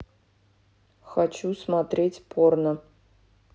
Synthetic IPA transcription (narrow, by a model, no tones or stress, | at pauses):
xat͡ʃusmat̪rʲetʲpʰornə